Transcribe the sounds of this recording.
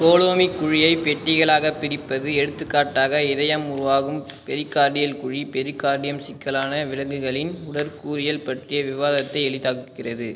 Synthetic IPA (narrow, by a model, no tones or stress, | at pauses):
koːloːmikːʊɻɪjɐɪpɛʈːɪɣɐɭaːɣɐpːɪɾɪpːɐðɯɛɽɯt̪ːɯkːaːʈːaːɣɐɪðɐjɐmʊɾʊʋaːɣɯmpɛɾɯkːaːɽɪjɐlkʊɻipɛɾɯkːaːɾɽɪjɐmsɪkːɐlaːnɐʋɪɻɐɣɯɣɐɭɪnʊɽɐɾkuːɾɪjɐlpɐʈrɪjɐʋɪʋaːðɐt̪ːɐɪɛɭɪt̪ːaːkɯkːɪrɐðɯ